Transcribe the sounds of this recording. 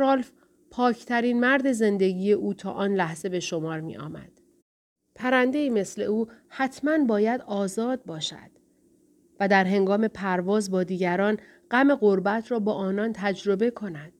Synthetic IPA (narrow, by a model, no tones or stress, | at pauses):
ɾolf | pʰɒːcʰt̪ʰæɾiːnmæɾd̪e̞ze̞nd̪e̞ɟiːje̞ʔuːt̪ʰɒ̰ːʔɒːnlæhze̞be̞ʃo̞mɒːɾmḭʔɒ̰ːmæ̰d̪̥ | pʰæɾænd̪e̞iːme̞sle̞̰uːhæt̪ʰmænbɒːjæd̪ɒːzɒːd̪̚bɒːʃæ̰d̪̥ | væd̪æɾɦe̞ŋɡɒːme̞pʰæɾvɒːzbɒːd̪iːɟæɾɒːn | ɢ̥æme̞ɣoɾbæt̪ʰɾɒːbɒːʔɒːnɒnt̪ʰæd͡ʒɾo̞be̞kʰo̞næd̪̥